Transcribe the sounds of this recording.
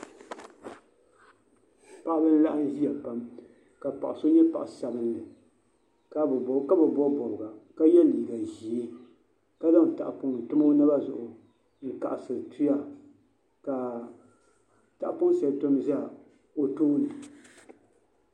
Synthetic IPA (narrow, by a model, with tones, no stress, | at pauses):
pa˨ʔa˦bɨ˦n˦la˦ʔa˦n˦ʒi˦a˨pa˦m | ka˨pa̰˨ʔa˨so˦ɲɛ˦pa̰˨ʔa˨sa˨bɨ˦nː˦ɨ˨ | ka˦bka˦bɛ˨bɔ˦bɔ˨bɨ˨ɡa˨ka˦jɛ˦˨liː˨ɡa˨ʒi˨i˦ | ka˦da˦ŋ˨ta̰˨ʔpʊ˨ŋn̩˨tʊ˦ma˦nɨ˦ba˦zʊ̰˨ʔʊ˨ | ŋ̩˨ka̰˨ʔa˨sɨ˨tʰu˦ja˦ | ka˨ | ta˨ʔpʊ˦ŋ˦sɛ˨lto˦mza˦˨ | o˦toː˦nɨ˨